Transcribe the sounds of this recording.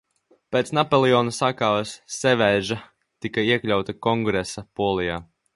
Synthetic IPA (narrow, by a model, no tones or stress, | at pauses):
pet̪snapolˠiɔːnusakaːvsːevɛjʒa | t̪ikaiɛklʲawt̪ɐkɔŋɡɾesapuɔlˠijaː